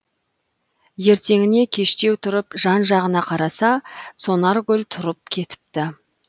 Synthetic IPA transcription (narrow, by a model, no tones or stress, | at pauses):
je̞ɾt̪e̞ŋɪne̞kʲʰe̞ʃt̪e̞wt̪ʰʊɾəpʒɑnʒɑʁənɑqʰɑɾɑsɑso̞nɑɾɡʲɵlt̪ʰʊɾəp̚kʲʰe̞t̪ɪ̥p̚t̪ɪ